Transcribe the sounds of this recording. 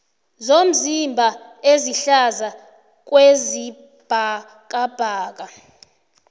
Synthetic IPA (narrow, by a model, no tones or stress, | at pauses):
zom̩zimbʱa | eziɬaza | k̬ʼwezi | b̥ʱa | k̬ʼab̥ʱaːk̬ʼa